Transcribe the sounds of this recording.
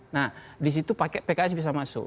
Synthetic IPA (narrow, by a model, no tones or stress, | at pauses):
nahdis̬it̪upakɛpekas̬bis̬amasʊ̰k